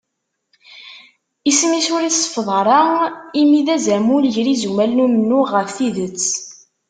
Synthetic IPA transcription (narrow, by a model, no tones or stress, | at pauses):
ismisʊɾisˤə̥fðˤəɾˤɑimiðæzæmulʝɾizumælnumənːuʁəfθiðət͡sː